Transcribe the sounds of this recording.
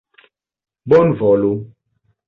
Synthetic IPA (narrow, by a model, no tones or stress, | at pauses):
bɔnvɔlo